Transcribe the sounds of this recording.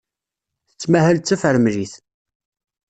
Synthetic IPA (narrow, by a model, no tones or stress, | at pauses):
θət͡sːmæhəlt͡sːæfəɾmliθ